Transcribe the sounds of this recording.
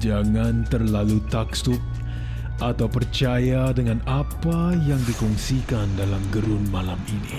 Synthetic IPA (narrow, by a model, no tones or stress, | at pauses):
d͡ʒaŋant̪ərlalut̪aksʊk̚ | ʔat̪awpərt͡ʃajadəŋanapajaŋdikɔŋsikandalamɡəɾʊnmalaminḭ